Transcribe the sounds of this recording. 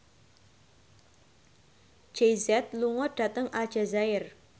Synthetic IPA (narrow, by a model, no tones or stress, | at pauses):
d͡ʒ̥ejzɛt̪̚luŋɔɖ̥a̤t̪əŋʔad̥ʒ̥a̤zaɪr